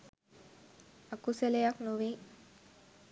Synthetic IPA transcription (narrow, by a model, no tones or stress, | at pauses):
akuselejaknuʋi